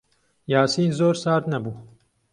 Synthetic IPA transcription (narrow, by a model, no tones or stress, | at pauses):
jaːsiːnzoːɾsaːɾt̪nɐbuː